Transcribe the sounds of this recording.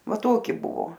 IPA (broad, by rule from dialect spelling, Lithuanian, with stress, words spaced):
ˈʋɐ ˈtoːkʲɪ ˈbʊʋoː